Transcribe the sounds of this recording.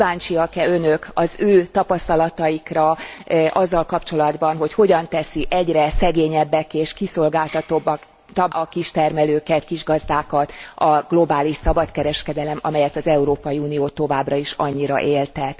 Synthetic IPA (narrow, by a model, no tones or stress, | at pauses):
vaːnt͡ʃiɒkɛønøkɒzøːt̪ɒpɒst̪ɒlɒt̪ɒjikrɒʔɒzːɒlkɒpt͡ʃo̞lɒd̪bɒnɦo̞cho̞ɟɒnt̪ɛsiʔɛɟrɛsɛɡeːɲɛbːɛkeːʃkiso̞lɡaːlt̪ɒt̪o̞bːɒk | t̪ɒʔɒkiʃt̪ɛrmɛløːkɛt̪kiʒɡɒzd̪aːkɒt̪ɒɡ̥lo̞baːliʃsɒbɒt̪kɛɾɛʃkɛd̪ɛlɛmɒ̰mɛjɛt̪ɒzɛuɾoːpɒjiuːnijoːt̪o̞vaːbrɒiʃɒ̰ɲːiɾɒ̰ʔeːlt̪ɛt̪